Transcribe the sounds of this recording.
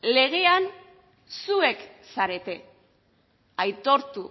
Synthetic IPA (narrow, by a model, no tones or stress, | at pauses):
le̞ɣe̞an | sue̞ksaɾe̞t̪e̞ | ajt̪o̞ɾt̪u